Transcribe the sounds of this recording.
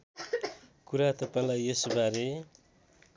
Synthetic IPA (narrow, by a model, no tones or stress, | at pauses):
kuɾat̪ʌpãlajesubaɾe